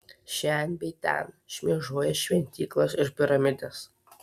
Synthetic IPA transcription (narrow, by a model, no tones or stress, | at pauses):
ʃʲɛnʲbʲɛɪt̪ʲɛ̰n | ʃʲmʲiɛʒoɔjɛʃʲʋʲɛnʲt̪ʲiːklˠɐsɪʃpʲɪɾɐmʲɪd̪ʲɛs